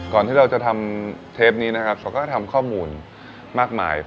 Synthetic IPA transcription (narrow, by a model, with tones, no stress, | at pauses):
kɔː˨˩nt̪ʰiː˥˩ɾa˧wt͡ɕa˨˩t̪ʰa˧mt̪ʰeː˦˥p̚niː˦˥na˦˥kʰa˦˥p̚sa˧˦˥wkɔː˥˩t̪ʰa˧mkʰɔː˥˩muː˧n | maː˥˩k̚ma̰ː˧˩j